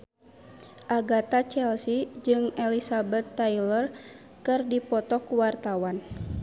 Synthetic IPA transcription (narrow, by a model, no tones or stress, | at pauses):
ʔaɡat̪at͡ʃɛlsid͡ʒɨŋɛlisabɛt̪ːailər | kɨrdipɔt̪ɔkuwart̪awan